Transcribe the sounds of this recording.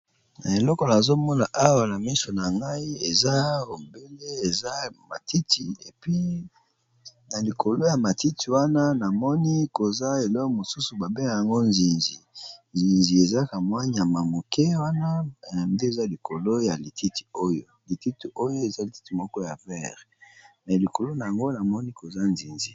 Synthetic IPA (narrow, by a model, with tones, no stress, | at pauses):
na˨e˨lɔ˦kɔ˨na˨zo˦mɔ˦na˨ʔa˦wa˨na˨mi˦so˨na˨ŋɡa˦i˦e˨za˦o˨be˦le˦e˨za˦ma˨ti˦ti˨e˨pi˦ | na˨li˨ko˨lo˦ja˨ma˨ti˦tʰi˨wa˦na˦na˨mɔ˦ni˦ko˨za˦e˨lɔ˦kɔ˨mo˨su˦su˨ba˨be˦ŋa˨ja˨ŋɡo˦nzi˨nzi˨nzi˨nzi˨e˨za˦ka˨mwa˦ɲ˨a˨ma˨mo˨ke˦wa˦na˦˨nde˦e˨za˦li˨kʰo˨lo˦ja˨li˨tʰi˦ti̥˨o˦jo˦˨li˨ti˦ti˨o˦jo˦e˨za˦li˨ti̥˦ti˨mɔ˦kɔ˦ja˨vɛ˦˨ʁ | mɛ˨li˨ko˨lo˦na˨ja˨ŋɡo˦na˨mɔ˦ni˦ko˨za˦nzi˨nzi˨